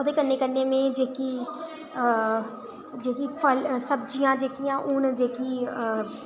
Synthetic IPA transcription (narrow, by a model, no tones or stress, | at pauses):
od̪eːkənːeːkənːeːmẽːd͡ʒeːkiː | d͡ʒeːkiːpʰəlsəb̚d͡ʒijãːd͡ʒeːkijãːʔʊnd͡ʒeːkiː